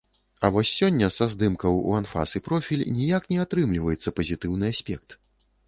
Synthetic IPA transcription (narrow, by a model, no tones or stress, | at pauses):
ɐvɔsʲːɔnʲːɐsazd̪ɨmkɐwṵanfa̰sɨpɾɔfʲilʲnʲijaknʲɛat̪ɾɨmlʲivɐjɛt̪sːɐpɐzʲit̪ɨwnɨasʲpʲɛk̚t̪